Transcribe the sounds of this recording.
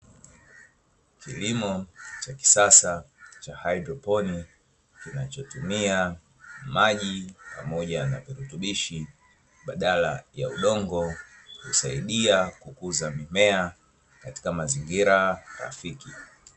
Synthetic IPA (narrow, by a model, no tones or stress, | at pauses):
kilimɔt͡ʃaki̥sasat͡ʃahaidɾɔpɔni | kinat͡ʃɔtumia | maʄipamɔʄana̰viɾutuɓiʃi | ɓaɗalaja̰uɗɔŋɡɔhṵsaiɗiakukuzamimɛa | kati̥kamaziŋɡiɾaɾa̰fiki